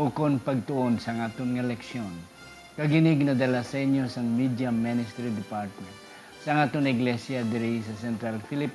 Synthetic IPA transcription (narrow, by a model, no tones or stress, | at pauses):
ukonpɐɡ̚t̪ʊʔonsɐɐŋat̪oŋɛlɛkʃjon | kɐɡɪnɪɡnɐd̪ɐlasɛɲosɐŋmid̪jamːɪnɪst̪ɛɾid̪ɪpaɾt̪̚mɛnt̪ | sɐɐŋat̪oŋɪɡlɛsjɐd̪ɛɾisɐsɛnt̪ɾalfilɪp